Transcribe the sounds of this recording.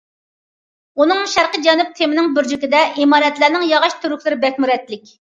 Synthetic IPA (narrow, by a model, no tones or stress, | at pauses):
unɨŋʃæɾqəd͡ʒɛnup̚t̪ʰemɪnɪŋbyɾd͡ʒikʲɪd̪ɛʔimɑːɾɛt̪læɾnɪŋjɑʁɑʃt̪ʰyɾykʲlˠɪɾɪbɛkʲmyɾɛt̪lɪkʲ